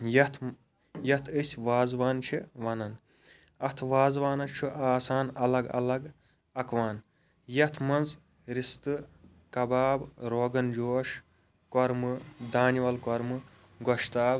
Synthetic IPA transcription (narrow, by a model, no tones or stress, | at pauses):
jɐt̪ʰ | jɐt̪ʰɨsʲʋaːzʋaːnt͡ʃʰiʋɐnɐn | ɐt̪ʰʋaːzʋaːnɐt͡ʃʰuʔaːsaːnɐlɐɡɐ̰lɐɡ | ɐkʋaːn | jɐt̪ʰmɐnz | ɾist̪ɨ | kɐbaːbɾoːɡɐnd͡ʒoːʃ | koɾmɨd̪aːniʋɐlkɔɾmɨ | ɡoʃt̪aːb